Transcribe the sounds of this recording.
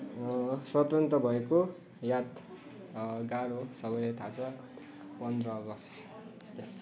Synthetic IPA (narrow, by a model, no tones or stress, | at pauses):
swʌt̪ʌnt̪rʌbʱʌeko | jat̪ | ɡaɽosʌbʌjlajt̪ʰat͡sʰʌ | pʌnd̪rʌːɡʌs